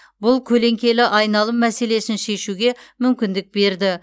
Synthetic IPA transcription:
bʊlˠkʲʰɵle̞ŋkʲe̞lɪʔɑjnɑlˠəmːæse̞le̞sɪnʃe̞ʃuɡʲe̞mʏmkʲɪnd̪ɪk̚be̞ɾd̪ɪ

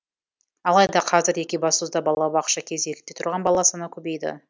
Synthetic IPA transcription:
ɑlˠɑjd̪ɑqʰɑzɪɾe̞kʲebɑsuzd̪ɑbɑlˠɑbɑqʃɑkʲʰe̞zekʲɪ̥t̪ːe̞t̪ʰʊɾʁɑnbɑlˠɑsənɑkʲʰɵbe̞jd̪ɪ̰

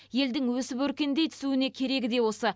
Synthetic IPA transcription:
je̞ld̪ɪŋwɵsɪpɵɾkʲe̞nd̪e̞jt̪ʰʏ̥suɪne̞kʲʰe̞ɾe̞ɡʲɪd̪e̞wo̞sə

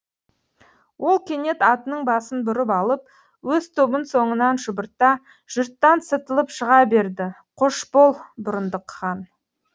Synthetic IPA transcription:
wʔo̞lˠkʲʰe̞ne̞t̪ɑt̪ənəɴbɑsənbʊɾɪpɑlˠəp̚ | wɵzt̪ʰo̞bənso̞ɴənɑnʒʊbəɾt̪ɑ | ʒ̥ʊɾt̪ːɑnsət̪əlˠəpʃəʁɑbe̞ɾd̪ɪ | qʰʊʃbolˠbʊɾənd̪əqːɑn

